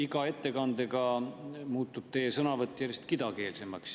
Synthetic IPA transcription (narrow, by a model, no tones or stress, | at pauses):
iɡ̥ɑe̞t̪ːe̞kɑnd̪eɡɑmuːt̪ːud̥̪̚t̪e̞jːesɤnɑvɤt̪ːˑjæɾjest̪kid̪̥ɑke̞ːlse̞mɑks